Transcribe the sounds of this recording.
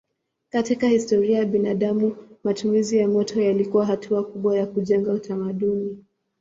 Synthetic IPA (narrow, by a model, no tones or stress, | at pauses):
katikahistɔɾiajaɓinaɗamumatumizijamɔtʰɔjalikuwaɦatʰuakuɓwajakuʄɛŋɡautʰamaɗuni